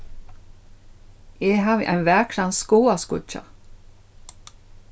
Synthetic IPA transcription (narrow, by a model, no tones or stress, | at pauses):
ɛɦaːvʔa̰jnʋæːkʰɾanskoːaskʊ̰t͡ʃa̰